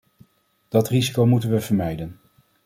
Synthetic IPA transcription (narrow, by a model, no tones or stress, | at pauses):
d̥ɑtrizikowmutənʋəv̥əɹmɛjdən